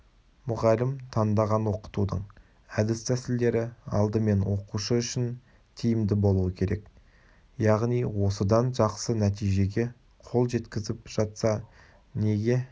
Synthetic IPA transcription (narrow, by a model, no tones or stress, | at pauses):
mʊʁɑlɪmt̪ʰɑnd̪ɑʁɑnwo̞qə̥t̪ud̪əɴ | æd̪ɪst̪ʰæsɪld̪e̞ɾɪɑ̰lˠd̪əme̞nwo̞quʃəʏʃɪn | t̪ʰijɪmd̪ɪbo̞lˠuəkʲʰe̞ɾe̞k | jɑʁnijwo̞səd̪ɑnʒɑqsənæt̪ijʒe̞ɡʲe̞ | qʰo̞lˠʒe̞t̪kʲɪzɪpʒ̥ɑt̪sɑ | ne̞ɡʲe̞